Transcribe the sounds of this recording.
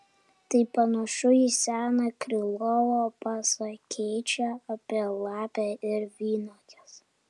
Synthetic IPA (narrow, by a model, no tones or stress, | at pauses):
t̪ɐɪpɐnɐʃʊjisʲæːnɐkɾʲɪlˠɔʋoːpɑsɐkʲʰɛɪt͡ʃʲæɐpʲiɛlˠɑːpʲæɪɾʋʲiːnoːt̪ʲɛs